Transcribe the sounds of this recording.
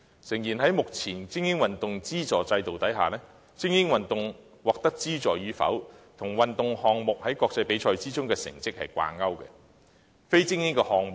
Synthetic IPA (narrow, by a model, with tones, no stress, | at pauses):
sɪ˨˩ŋjiː˨˩nɦɐ˨˥jmʊ˨k̚t͡sʰiː˨˩nt͡sɪ˥ŋjɪ˥ŋwɐ˨nt̪ʊ˨ŋt͡siː˥t͡sɔː˨t͡sɐ˧jt̪o˨wt̪ɐ˨˥jɦaː˨lɛː˥ | t͡sɪ˥ŋjɪ˥ŋwɐ˨nt̪ʊ˨ŋ | wɔː˨k̚t̪ɐ˥k̚t͡siː˥t͡sɔː˨jɥyː˨˧fɐ̰˨˥wt̪ʰʊ˨˩ŋwɐ˨nt̪ʊ˨ŋhɔː˧ŋmʊ˨k̚hɐ˨˥jkɔː˧k̚t͡sɐ˧jpe˨˥jt͡ʃʰɔː˧jt͡siː˥t͡sʊ˥ŋkɛː˧sɪ̰˨˩ŋt͡sɪ˥k̚hɐ̰˨jkʷa̰ː˧nɐ˥wkɛ̰˧ | fe˥jt͡sɪ˥ŋjɪ˥ŋkɛ˧hɔː˧ŋmʊ˨